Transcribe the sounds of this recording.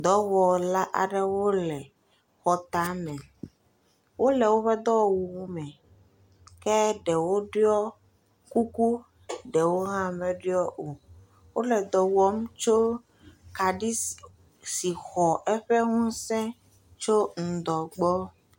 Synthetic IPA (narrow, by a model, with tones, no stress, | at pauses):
d̪ɔ˦wɔ˨la˦ʔa̰˨ɖɛ˦wo˦lɛ˨ | xɔ˨t̪a˦mɛ̃˨ | wo˦lɛ˨wo˦ɸɛ˦d̪ɔ˦˨wu˨wmɛ̃˨ | kɛ˦ɖɛ˨wo˦ɖe˦ɔ˦ | ku˦ku˦ | ɖɛ˨wo˦ɦã˦mɛ˦ɖɔ˦ʔo˨ | wo˦lɛ˨d̪ɔ˨wɔ˦m˦t͡ʃo˦ | ka˨ɖi˦ | si˨xɔ˨ʔɛ˦ɸɛ˦ŋũ˦sɛ̃˦ | t͡ʃo˦ŋ̩˨d̪ɔ˨ɡ͡bɔ˦